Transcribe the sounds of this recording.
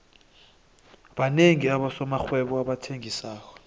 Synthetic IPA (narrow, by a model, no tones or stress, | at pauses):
ɓaneŋiaɓasɔmaxwɛɓɔaɓatʰeŋisaːk̬ʰɔ̥